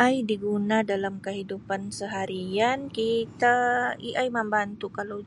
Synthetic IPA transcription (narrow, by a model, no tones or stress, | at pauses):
ʔajdiɡunadalamkəɦidupansəɦaɾiankit̪aiʔajmambant̪ukala